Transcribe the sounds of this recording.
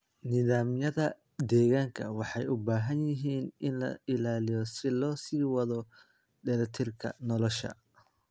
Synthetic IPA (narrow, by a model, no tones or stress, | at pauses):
nɪðaːmjɐðɐ | d̪ɛːɣaːŋkʰɐ̰wɑħɑjʊbaːɦɐnjɪɦiːnʔɪnlɐ̰ɪlaːlɪjɔsɪlɔːsiːwɐðɔ | ɖɛɾɐt̪ʰɪrkʰɐ̰nɔlɔʃɐ̰